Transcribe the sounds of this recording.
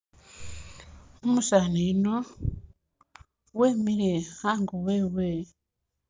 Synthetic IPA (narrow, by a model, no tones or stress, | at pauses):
umusaːneino | weːmiɾehaːŋɡoweːwe